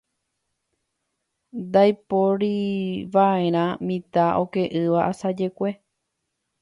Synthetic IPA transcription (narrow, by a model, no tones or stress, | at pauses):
d̪ajpoɾiʋae̞ɾ̃ãmĩt̪aʔo̞ke̞ʔɨʋaʔasad͡ʒe̞kʷe̞